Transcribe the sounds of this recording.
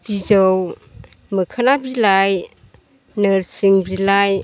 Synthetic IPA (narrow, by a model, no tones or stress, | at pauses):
b̥izɔw | məkʰanabilaj | nɯɾsiŋbilaj